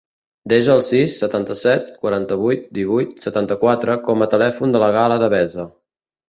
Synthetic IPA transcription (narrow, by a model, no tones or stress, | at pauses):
d̪eʒəːlˠsisːət̪ant̪əsɛt̪̚kwəɾant̪əβujt̪̚d̪iβujt̪̚sət̪ant̪əkwat̪ɾəkɔmət̪əlɛfund̪ələɣaləðəβɛzə